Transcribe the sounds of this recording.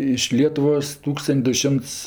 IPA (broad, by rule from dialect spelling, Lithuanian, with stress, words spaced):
ɪʃ ˈlʲiɛtʊʋoːs ˈtuːkstɐnʲtʲ dʊ ˈʃʲɪmts